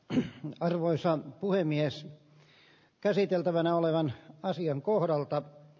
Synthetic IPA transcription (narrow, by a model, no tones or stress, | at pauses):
ɑrʋoisɑpuhemːies | kæsit̪elt̪æʋænæoleʋɑnɑsiɑŋkohdɑlt̪ɑ